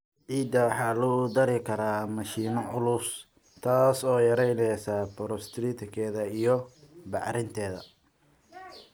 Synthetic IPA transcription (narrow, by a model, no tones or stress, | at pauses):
ʕiːd̪ɐwɑħɑːlʊd̪ɐɾɪkʰɐɾaːmɐʃiːnɔʕʊlʊs | t̪ʰaːsɔːjɐɾɛjlɛsabɔɾɔst̪ʰɾiːt̪ʰɪkʰɛːðɐijɞbɑʕɾɪnt̪ʰɛːðɐ̰